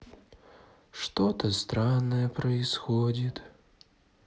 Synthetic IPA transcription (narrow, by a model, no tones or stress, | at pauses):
ʂt̪ɔt̪əst̪ɾanːəjəpɾɐɪsxodʲit̪